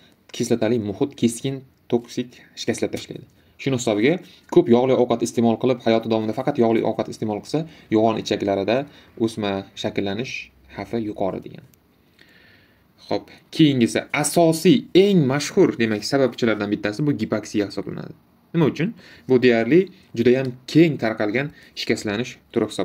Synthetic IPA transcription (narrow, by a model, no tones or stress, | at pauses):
kʲʰe̞slat̪ʰalɪmʊhɪt̪kʲʰe̞skʲɪn | t̪ʰoksɪkʲ | ʃɪ̥kʲaslat̪ʰaʃla̰jd̪ɪ | ʃʊnɪhɪsɒbɪɡʲa | kʰɵpjɒʁlˠɪjɒwqʰɑt̪ɪst̪e̞mɒlˠqʰɨlˠɪphajɒt̪ʰɪd̪ɒɒmɪd̪afɑqɑt̪jɒʁlˠɪ̰jʔɒ̰wqʰɑt̪ɪst̪emɒlˠqʰɨlˠsajɒʁɒnɪt͡ʃʰakʲlaɾɪd̪aɵsmaʃakʲɪlːanɪʃ | hafɪjʊqʰɒɾɪ̰d̪e̞̰ɡʲa̰n | χop̚kʲʰe̞jɪŋʲɪsɪ̰asɒsije̞ŋmaʃhʊɾd̪e̞makʲsabap̚kʰʊt͡ʃʰalaɾd̪anbɪt̪ʰːasɪbʊɡʲipaksijahɪ̥sɒbla̰na̰d̪ɪ | nɪmaʊt͡ʃʰʊn | bʊd̪e̞jaɾlɪ | d͡ʒʊd̪ajamkʲʰe̞ŋt̪ʰaɾqʰɑlˠɡʲan | ɪ̥ʃkʲaslanɪʃt̪ʰʊɾɪhɪ̥sɒ